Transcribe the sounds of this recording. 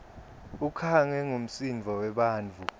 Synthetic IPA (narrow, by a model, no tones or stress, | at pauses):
ukʰaŋɛŋom̩sinvʱɔwɛɓaːnt͡fu